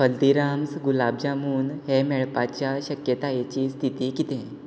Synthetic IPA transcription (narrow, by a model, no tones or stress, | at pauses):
fəld̪iɾamsɡulab̚d͡ʑamuːnɦemɛɭpat͡ɕjaɕəkjət̪ajet͡ɕiːst̪ʰit̪ikit̪ẽ